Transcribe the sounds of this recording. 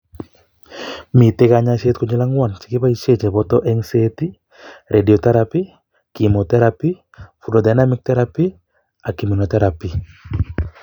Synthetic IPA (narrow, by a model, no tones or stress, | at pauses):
mitekaɲaʃet̪̚kɔɲilaŋwant͡ʃɪ̥kɪpait͡ʃet͡ʃebɔtɔʔɛŋseti | ɾʔediotɛɾapi | kimot̪ɛɾapi | fudodajnamɪk̚tɛɾapi | akiminot̪ɛɾapi